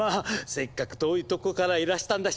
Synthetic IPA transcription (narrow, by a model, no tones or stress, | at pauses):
ase̞kːakɯ̟̥t̪oːjɯt̪o̞kokaɾaiɾaɕi̥t̪ãnd̪a